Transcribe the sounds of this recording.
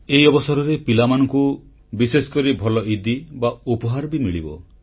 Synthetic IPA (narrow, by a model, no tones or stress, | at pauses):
eiɔbɔsɔɾɔɾepilamanɔŋku | bisesɔ̥kɔɾibʱɔlɔid̪ibaupɔɦaɾbimiɭḭbɔ̰